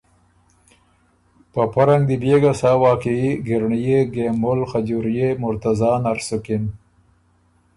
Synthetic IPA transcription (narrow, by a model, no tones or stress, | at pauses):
papaɾaŋɡd̪ibeɡasɑwɑːkiiɡɪɾɳijeɡemʊlxad͡ʑuɾjemʊɾt̪azɑːnaɾsʊkin